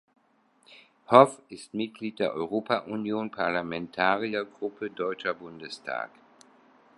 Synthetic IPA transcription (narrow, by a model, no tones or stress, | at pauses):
hɔfɪstmɪt̚ɡ̥liːt̚d̥eːɐʔɔʏʁ̞oːpaʔunjoːnpʰaɐlamɛntʰaːʁiɐɡʁʊpʰədɔʏt͡ʃɐbʊndəstʰa̰ːk